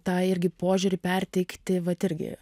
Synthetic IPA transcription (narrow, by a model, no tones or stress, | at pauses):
t̪ɑːɪɾʲɡʲɪpoːʒʲuːɾʲɪpʲɛɾʲt̪ʲɛɪkt̪ʲɪʋɐt̪ɪɾʲɡʲɪ̰